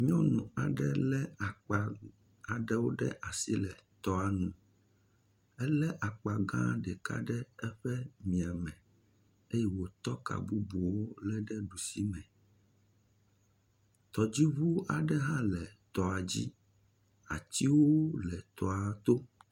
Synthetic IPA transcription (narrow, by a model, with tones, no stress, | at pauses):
mĩ˦ɔ̃˦nũ˨a̰˨ɖɛ˦lɛ˦a˨k͡pa˨ | a˨ɖɛ˦wo˦ɖɛ̰˦ʔa˨si˦lɛ˨t̪ɔ˨a˨nũ˨ | ɛ˦lɛ˦ʔa˨k͡pa˨ɡã̰˦˨ɖɛ˨ka̰˦ɖɛ˦ɛ˦ɸɛ˦mĩ˨a˨mɛ̃˨ | e˦jɛ˦wo˨t̪ɔ˦ka̰˨bu˦bu˨wo˦lɛ˦ɖɛ˦ɖu˨si˦mɛ̃˨ | t̪ɔ˨d͡ʑi˦βu˦a˨ɖɛ˦ɦã˦lɛ˨t̪ɔ˨a˨d͡ʑi˦ | a̰˨t͡ɕ̪i˦wo˦lɛ˨t̪ɔ˨a˨t̪o˦